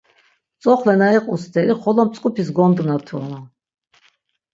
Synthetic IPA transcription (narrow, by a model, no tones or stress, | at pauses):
t͡sʼɔχlɛnaɛqʼust̪ʰɛɾiχɔlɔmt͡sʼkʼupʰis̬ɡɔnd̪nat̪ʰuɔna